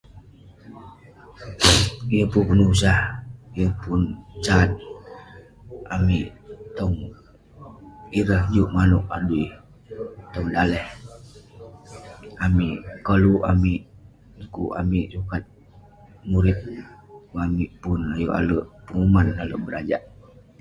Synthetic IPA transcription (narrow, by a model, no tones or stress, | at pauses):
jəpunpunusahijəpunt͡ʃat̪̚ | ʔamiʔt̪ɔŋ | iɾəhd͡ʒuʔmanʊk̚a̰duj | t̪ɔŋdalɛh | amiʔkəluʔamiʔ | kuʔa̰miʔsukat̪̚ | muɾɪt̪̚ | amiʔpunajuʔa̰ləʔpəŋumanaləʔbəɾad͡ʒaʔ